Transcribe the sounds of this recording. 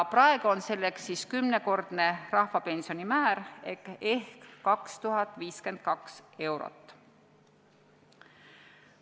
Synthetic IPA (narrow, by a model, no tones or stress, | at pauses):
prɑe̞ɡ̥uo̞nse̞lːeksːiːskymne̞ko̞rd̪̥ne̞rɑhfɑpe̞nsionimæːɾekehkːɑkst̪uɦɑt̪ːˑviːske̞nd̪̥̚kɑkse̞wɾo̞̰t̪ːˑ